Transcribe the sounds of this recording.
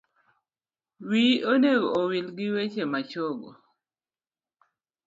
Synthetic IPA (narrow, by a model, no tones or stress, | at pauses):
wioneɡoowilɡɪwet͡ʃemat͡ʃoɡo̰